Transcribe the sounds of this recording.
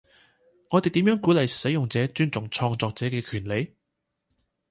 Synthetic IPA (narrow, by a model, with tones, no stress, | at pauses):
ŋɔː˨˧t̪e˨jt̪iː˨˥mjœː˨˥ŋkuː˨˥lɐ˨jsɐ˨˥jʊ˨ŋt͡sɛː˨˥t͡ʃyː˥nt͡sʊ˨˩ŋt͡ʃʰɔː˧ŋt͡sɔː˧k̚t͡sɛː˨˥kɛː˧kʰyː˨˩nle˨˧j